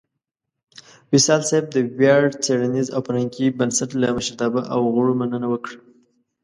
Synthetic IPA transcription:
wɪsɑlsab̚d̪əwjɑɽt͡seɽanizawpɾaŋkibənsat̪laməʃaɾt̪ɑbaʔawɣʊɽomanənawəkɽə

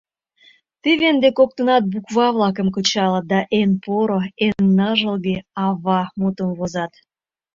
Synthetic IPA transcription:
t̪iβend̪ekok̚t̪ə̆nɑt̪̚bukβɑβlɑk̬ə̆mkət͡ɕɑləd̪ɑʔenpoɾoenːɑʒəlɣeɑβɑmut̪əmβozɑt̪

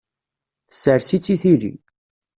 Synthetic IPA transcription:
θəsəɾsit͡sːiθiɾḭ

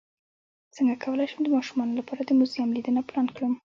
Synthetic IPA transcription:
t͡səŋɡakʰawəlajʃəmd̪əmɑʃumɑnolapɑɾad̪əmuzjamlid̪ənaplɑnkɽum

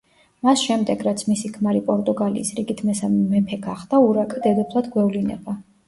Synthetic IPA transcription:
masʃɛmd̪ɛɡɾat̪sʰmisikʰmaɾipʼɔɾt̪ʼuɡalḭːsɾiɡit̪ʰmɛsamɛmɛmpʰɛɡaχd̪auɾakʼad̪ɛd̪ɔpʰlˠad̪ɡwɛvlinɛ̰ba

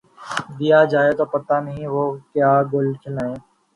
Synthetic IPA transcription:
d̪ijad͡ʒaːet̪opɐt̪anɐɦĩʋokjaːɡʊlkʰɪlaẽː

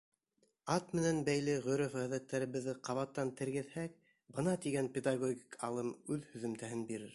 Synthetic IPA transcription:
ɑt̪mɘ̆nænbæjlɘʁɵ̆ɾɵfʁæðæt̪ːæɾɘ̆βɘ̆ðːɘqʰɑβɑt̪ːɑnt̪ɘ̆ɾɡɘ̆ðhæk̚ | bɤ̆nɑt̪iɡænpʲed̪ɑɡoɡʲikʰɑ̰lˠɤmʉðhɵ̆ðɵ̆mt̪æhɘnbiɾɘɾ

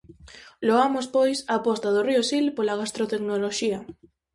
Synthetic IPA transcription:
loamospojsapɔst̪aðoriosilpolaɣ̞ast̪ɾot̪eknoloʃia

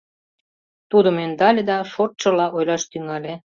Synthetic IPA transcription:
t̪ud̪ə̆mend̪ɑlʲed̪ɑʃot̪̚t͡ʃɤ̆lɑʔojlɑʃt̪yŋɑlʲe

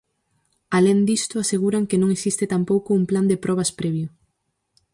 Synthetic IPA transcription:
alend̪ist̪ʊaseɣuɾaŋkenõŋesist̪ɪt̪ampowkʊːmpland̪epɾʔɔβ̞ɐspɾɛβjʊ

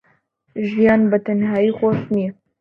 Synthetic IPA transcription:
ʒijɑːnbət̪ʰɐnɦɑːiːxʷosni

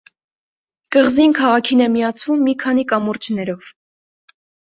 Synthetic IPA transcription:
kəʁzinkʰɑʁɑkʰinɛmiɑt͡sʰvumːikʰɑnikɑmɔɾt͡ʃʰnɛɾɔv̥

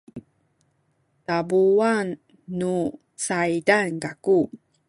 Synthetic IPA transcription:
tabuanː | u | t͡sajdankaku

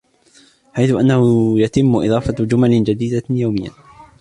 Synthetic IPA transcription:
ħajθʊʔanːahʊjat̪ɪmːʊʔɨ̰d̪ˤɑːfɑd͡ʒʊmalɪd͡ʒad̪iːd̪ajawmɪjːa̰

